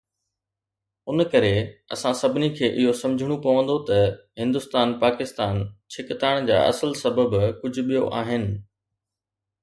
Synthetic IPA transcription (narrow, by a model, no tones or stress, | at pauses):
ʊnkɐɾeɐ̰sãsɐbʱɪnikʰeːʔɪɦosɐ̃md͡ʑʱɪɽ̃opɐʋə̃nd̪ot̪ɐɦɪ̃nd̪ʊst̪aːnpaːkɪst̪aːnt͡ɕʰɪkt̪aːɽ̃d͡ʑa̰ːʔɐ̰səlsɐbəbkʊd͡ʑʱʊ̆ɓijoʔaːɦɪnɪ̆